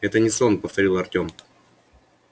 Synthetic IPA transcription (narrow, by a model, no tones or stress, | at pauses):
ɛt̪ənʲɪsonpəft̪ɐɾʲilˠɐrtʲo̞m